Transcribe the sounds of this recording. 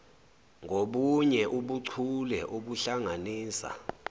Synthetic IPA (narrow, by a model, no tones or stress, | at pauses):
ŋʱoɓuɲɛʔuɓuǀʰulɛʔoɓuɬaŋaniːsa̰